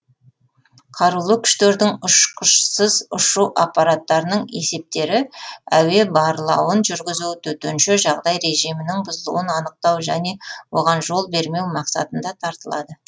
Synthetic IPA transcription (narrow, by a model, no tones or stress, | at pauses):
qʰɑɾulˠəkʲʰʏ̥ʃt̪e̞ɾd̪ɪŋʊʃqəʃsəzʊʃuʔapːɑɾat̪ːɑɾənəɴe̞se̞p̚t̪e̞ɾɪæwe̞bɑɾlˠɑwənʒʏɾɡʲɪzut̪ʰɵt̪enʃɪʒɑʁd̪ɑjɾe̞ʒijmɪnɪŋbʊzəlˠṵwənɑnəq̚t̪ɑwʒæne̞wo̞ʁɑnʒo̞lˠbe̞ɾme̞wmɑqsɑ̰t̪ənd̪ɑt̪ʰɑɾt̪əlˠɑd̪ə